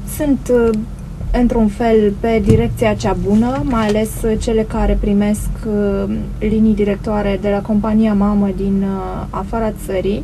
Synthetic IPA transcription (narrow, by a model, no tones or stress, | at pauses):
sunt̪ | ɨnt̪ɾunfe̞lpe̞d̪iɾe̞k̚t̪sijat͡ʃabunəmajale̞st͡ʃe̞le̞kaɾe̞pɾime̞sk | linijd̪iɾe̞k̚t̪oaɾe̞d̪e̞lako̞mpanijamaməd̪in | afaɾat̪səɾi